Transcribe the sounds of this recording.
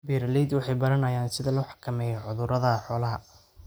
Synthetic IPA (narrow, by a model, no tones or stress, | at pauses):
biːɾlid̪wɑħɑjbɐɾɐnɐjaːnsɪðɐlɐwħɑ̥kʰɐmɛːjɔʕʊðʊɾɐðɐħɔːlɐɦɐ